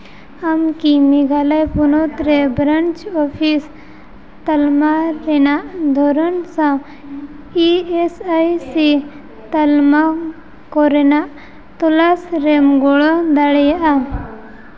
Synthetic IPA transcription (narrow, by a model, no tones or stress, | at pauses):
amkimiɡʱalajpunɔt̪ɾɛbɾənt͡ʃɔpʰis | t̪əlmaɾɛnaʔd̪ʱɔɾɔnsã | iesajsi | t̪əlma | kɔɾɛnaʔ | t̪ɔlasɾɛmɡɔɭɔd̪aɽɛjaʔa